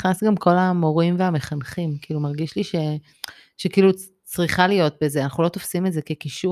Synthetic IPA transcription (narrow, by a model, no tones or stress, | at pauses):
χnasɡamko̞lamo̞ʁimveameχanχimkiːlumaʁɡiʃliʃe̞ | ʃekiːlu | t͡sʁiχalijo̞t̚be̞zeanaχulo̞t̪ofsimetze̞kekiʃu